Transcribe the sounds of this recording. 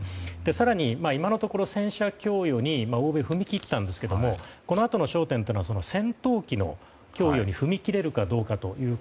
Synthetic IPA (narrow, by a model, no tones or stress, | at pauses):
d̪̥e̞saɾaɲ̟imaimano̞t̪o̞ko̞ɾo̞sẽ̞ɰ̃ɕakʲo̞ːjo̞ːɲ̟imaoːbe̞ɸɯ̟mʲikʲit̪ːãnd̪e̞sɨ̥ke̞d̪o̞mo̞ko̞no̞at̪o̞no̞ɕo̞ːt̪ent̪enoaso̞no̞sẽ̞nt̪o̞ːkʲino̞̰ | kʲo̞ːjo̞ːɲ̟iɸɯ̟mʲikʲiɾe̞ɾɯ̟kad̪o̞ːkat̪o̞jɯ̟ː